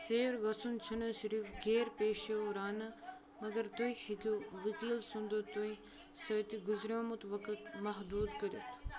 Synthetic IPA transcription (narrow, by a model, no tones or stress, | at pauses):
seːɾɡɐt͡sʰunt͡ʃʰunɐʃiɾiːfɡeːɾpeːʃɐɾaːnɐ | mɐɡɐɾt̪oihikoʋikiːlsũnd̪ot̪oi | sɐːt̪iɡuzɾʲoːmut̪ʋɐkɐt̪mɐɦd̪uːd̪kɐɾʲɐt̪ʰ